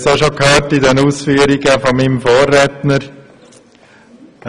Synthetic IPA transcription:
soʃokhøːɾtɪdɛnuːsfyːəɾiɡəfɔmimfoːrːɛtnəɾ

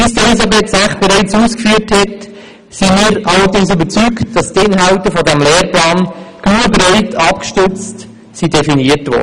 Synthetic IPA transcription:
b̥ɪsd̥əɪsɑbɛːtsæχt̚b̥əɾɛɪt͡suːskfyːəɾthɛt | simiːɾʔɑləɾdɪŋsybəɾt͡syktd̥ɑstɪnɦɑʊtəfɔdæmlɛːɾplɑːnɡ̥luːəbɾɛɪtʰɑpkʃtʏt͡st | sidɛfiniətʋɔ̰ː

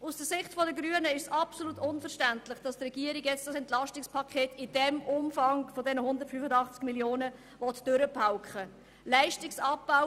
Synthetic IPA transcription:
ʔusd̥əsɪχtfɔdəɡɾyənəɪʃsɑpsolutʊnfəɾʃtæntlɪχd̥ɑstrɛɡ̥iəɾiɡjɛt͡std̥ɑsɛntlɑʃtɪkspʰɑkʰeːtɪd̥ɛmʊmfɑŋfɔdɛnəhʊndəɾtfyfədɑχt͡skmiljoːnə | vɔtd̥øɾəpʰaʊkχə | læɪʃtɪksɑp̚b̥aʊ

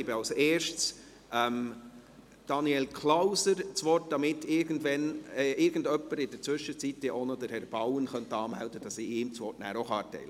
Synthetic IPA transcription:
ɪbɪɑlseːɾʃts | ʔɛm | d̥ɑniɛlkʰlaʊsəɾt͡sʋɔt̚d̥ɑmɪtːɪɾɡəndʋɛnʔɪɾɡ̥ən̩dœpːəɾɪd̥ət͡sʋʏʃət͡sit̚dɛʔonɔd̥̪əɾhɛɾb̥awənχœnt̪ɑːmæ̰ld̥əd̥ɑsiɪːmt͡sʋɔtnæ̰ːɾoχɑːtɛ̰ɪlə

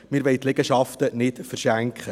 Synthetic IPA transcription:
mɪɾʋɛjt̪lɛɡ̥əʃɑftənɪtfəɾʃæŋkχə

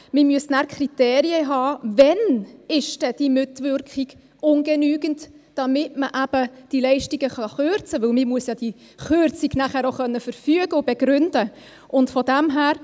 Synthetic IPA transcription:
mɪmyəsnæːɾkʰriteːɾiəɦɑːvɛnɪʃd̥ɛd̥imɪtvʏɾkχiɡ̥ | ʊnɡ̥enyːɡənt | d̥ɑmɪtməʔæb̥əd̥ilɛɪʃtiɡ̥əχɑχøɾt͡səʋɵlmɪmuəsjɑd̥i | χøɾt͡siɡnæχæːɾoχœnːəfəɾfyəɡəʊbɛɡ̥ɾʏnd̥ə | ʔʊntfɔdæmɦæːɾ

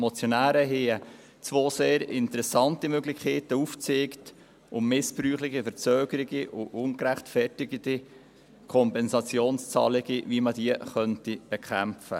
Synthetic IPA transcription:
mɔt͡sjonæːɾəɦeːə | t͡svoːseːɾɪntəɾɛsɑntimøɡlɪkʰeːtəuft͡seːkt | ʊmmɪsb̥ɾyːχlɪχifəɾt͡søːɡəɾiɡiʔʊʔʊnkɾæχtfɛtɪɡədi | kʰɔmpɛnsɑt͡sjoːnst͡sɑ̰ːlɪɡ̥ivimədiəχœntib̥ɛkχæmfə̰

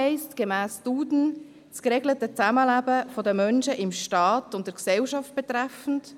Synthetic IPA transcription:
ɛɪstɡ̥emæːstuːdn̩ | skɾeɡlətət͡sæməlæbəfɔdəmœnʃəʔɪmʃtɑːtʊntd̥əɾksɛlʃɑft̚b̥et̪ɾæfn̩t

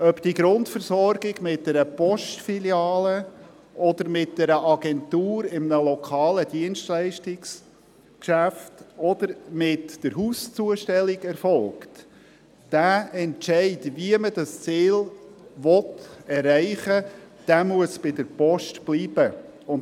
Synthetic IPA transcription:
œpd̥iɡɾʊntfəɾsɔɾɡɪɡmɪt̚dɛɾəpɔʃtfiljɑːlə | ʔɔd̪əɾmɪt̚d̥ɛɾəʔɑɡɛnt̪uːɾɪmənəlɔkʰɑːlədiənstlæɪʃtɪks | kʃæftɔd̪əɾmɪtd̥əɾɦust͡suəʃtɛlɪɡɛɾfɔlkt | d̥æːɛntt͡ʃɛɪdviəmədɑst͡siːlʋɔtɛrːæɪχə | d̥æmuəsb̥ɪdəɾpɔʃtb̥liːb̥ə | ʊn

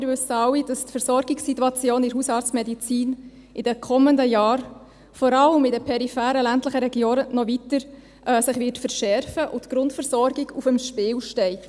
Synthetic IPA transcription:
ɪɾvʏsəɑwid̥ɑstfəɾsɔɾɡɪksitːuɑt͡sjoːnɪɾɦusɑːt͡smɛdit͡siːn | ʔɪdəkʰɔmːəndəjɑːɾ | fɔɾɑləmɪdəpʰɛɾifæːɾəlæntləχəɾɛɡjoːnənɔvitəɾ | sɪχʋɪːtfəɾʃɛɾfəʔʊtɡ̥ɾʊntfəɾsɔɾɡɪɡufəmʃpɪːwʃtɛɪt

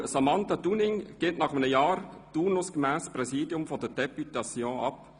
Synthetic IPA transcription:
samɑnt̪adunɪŋɡ̥ɪtnɑχəmənəjɑːɾtuːrnʊskəmæːsprɛsiːdjʊmfɔd̥əd̥ɛpytɑsjõːɑp

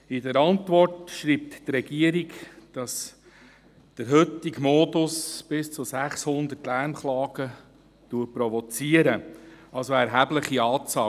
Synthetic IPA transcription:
ɪdəɾɑntʋɔrtʃɾiːp̚t̪trɛɡiəɾikd̥ɑs | d̪̥əɾɦʏtɪɡmɔːdʊsb̥ɪst͡sʊsæχshʊnd̪ətlæɾmχlɑːɡ̥ə | tuəpɾɔvɔt͡siːəɾəɑlsoɛɾɦæbləχiɑːt͡sɑː

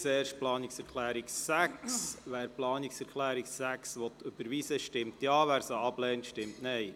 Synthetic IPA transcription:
sɛːɾʃt̚plɑːnɪksɛɾkʰlæːɾiksæksʋæːɾplɑːniksɛɾkʰlæːɾiksæksʋɔt̪ːøb̥əɾʋiːsəʃtɪmt̪jɑːʋæːɾsoɑblɛːntʃtɪmtnɛɪ

